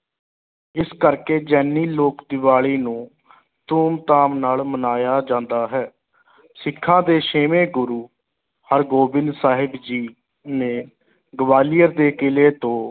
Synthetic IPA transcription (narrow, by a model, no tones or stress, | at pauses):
ɪskəɾkeːd͡ʒɛːniːloːkd̪ɪʋaːɭiːnũː | t̪uːmt̪aːmnaːlmənaːjaːd͡ʒãːnd̪aːɦɛː | sɪkʰːãːd̪eːʃeːmẽːɡʊɾuː | həɾɡoːbɪnd̪saːɦɪbd͡ʒiː | nẽː | ɡəʋaːlijəɾd̪eːkɪleːt̪õː